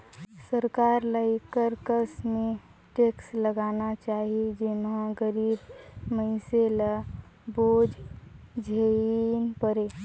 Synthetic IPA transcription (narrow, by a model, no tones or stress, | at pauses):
səɾkaːɾləikəɾkəsmẽ | ʈeksləɡaːnat͡ʃaːɦied͡ʒenɦãɡəɾiːbməɪseləboːd͡ʒd͡ʒʱenpəɾeː